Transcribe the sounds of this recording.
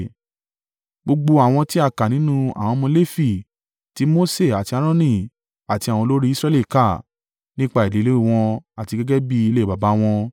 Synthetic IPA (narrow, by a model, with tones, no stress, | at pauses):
ɡ͡bo˧ɡ͡bo˧a˨w̃ɔ̃˧ti˦a˦˨ka˨nĩ˨˦nũ˦a̰˨w̃ɔ̃˧mɔ̃˧˦le˦fi˨ | ti˨˦mo˦se˦˨a˨ti˧a˧ɾ̃ɔ̃˦nĩ˦˨ | a˨ti˧a˨w̃ɔ̃˧lo˦ɾi˦sɾɛ˦li˦˨ka˦˨ | nĩ˦k͡pa˧˦i˨li˨˦le˦i˦˨w̃ɔ̃˧a˨ti˧ɡɛ˦ɡɛ˦bi˦i˧le˦i˦˨ba˨ba˨˦w̃ɔ̃˧